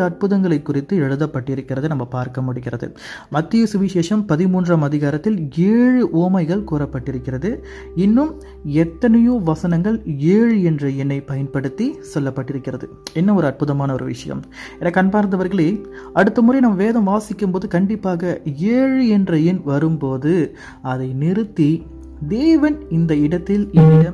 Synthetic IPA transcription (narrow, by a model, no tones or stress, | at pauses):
ɐɐʈ̚pɯðɐŋɡɐɭɐɪkːʊrɪt̪ːɯɛɻɯðɐpːɐʈːɪɾɯkːɪrɐðɯnɐmːɐpaːɾkɐmʊɽɪkːɪrɐðɯ̰ | mɐt̪ːɪjɐsʊʋɪʂeːʂɐmpɐðɪmuːndraːmɐðɪɣaːɾɐt̪ːɪleːɻɯʔoːmɐɪɣɐɭkuːɾɐpːɐʈːɪɾɯkːɪrɐðɯ | ɪnːɯm | ɛt̪ːɐnɐjoʋɐsɐnɐŋɡɐɭeːɻɯɛndrɐjɪnːɐɪpɐjɐnpɐɽɯt̪ːisɔlːɐpːɐʈːɪɾɯkːɪrɐðɯ | ɛnːɐɔɾɯɐʈ̚pɯðɐmaːnɐɔɾɯʋɪ̰ʂɐjɐ̰m | ɛnɐkːɐnpaːɾnd̪ɐʋɐɾɣɐɭeːɐɽɯt̪ːɐmʊɾɐɪnɐmːɐʋeːðɐmʋaːsɪkːɯmpoːðɯkɐɳɖɪpːaːɣɐeːɻɛndrɐjɪnʋɐɾɯmpoːðɯ | ɐðɐɪnɪɾɯt̪ːi | d̪eːʋɐnɪnd̪ɐɪɽɐt̪ːɪlɛnːɪɽɐ